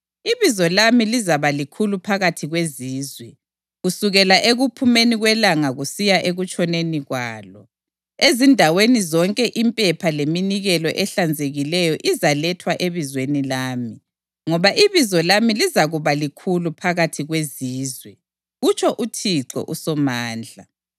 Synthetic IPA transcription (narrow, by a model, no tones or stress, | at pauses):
iβizɔlamilizaβalikʰulupʰaɣatʰiɣweziːzwɛ | ɣusuɣɛlaʔeɣupʰumeniɣwɛlaŋaɣusijaʔeɣut͡ʃʼɔneniɣwaːlɔ | ezindʱawenizɔŋkʼɛʔimpʼɛpʰaleminiɣɛlɔʔɛɬand͡zʱeɣilɛjɔʔizalɛtʰwaʔeβizwenilaːmi | ŋɔβaʔiβizɔlamilizaɣuβalikʰulupʰaɣatʰiɣweziːzwɛ | ɣut͡ʃʰʼɔʔutʰiǀɔ̰ʔusɔmaːnd͡ɮʱa